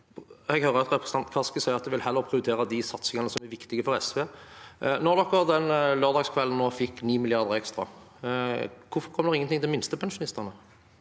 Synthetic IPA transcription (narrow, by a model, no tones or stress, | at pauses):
ɛɡhœɾəɑt̪ɾɛpʰɾəsənɑnt̪kʰɑskəsɛɪəɾɑt̪̚d̪ɛʋɪlhɛlːəɾpʰɾɪʊt̪ʰeːɾəd̪ɪsɑt̪sɪŋɑnəsɔmæɾʋɪkt̪ɪɡəfɔɾɛsʋeː | nɔʁd̪ɔkːɔʁd̪ɛnløːʁd̪ɑːɡskʰʋɛln̩noːfɪkːniːmɪlɪɑʁd̪əɾɛkst̪ʁɑ̰ | kʰʊfɔɾkʰɔmːəd̪ɛʁɪŋːənt̪ʰɪŋd̪ɛmɪnst̪əpʰɛnʃʊnɪst̪əʁnə